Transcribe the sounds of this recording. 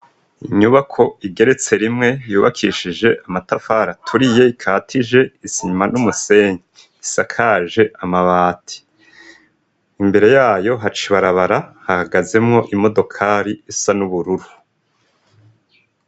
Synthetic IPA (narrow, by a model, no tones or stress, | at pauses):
iɲuβakʰo̞iɡe̞ɾe̞t͡se̞ɾimŋe̞juːβakʰiʃiʒe̞ʔamatafaːɾatʰuɾije̞ikʰaːtʰiʒe̞isiɲmanumuse̞ːɲi | isakʰaːʒe̞ʔamaβaːtʰi̥ | mbe̞ɾe̞jaːjo̞ɦat͡ʃiβaɾaβaɾahahaɡaze̞mŋo̞ʔimo̞do̞kʰaːɾiisanuβuɾuɾu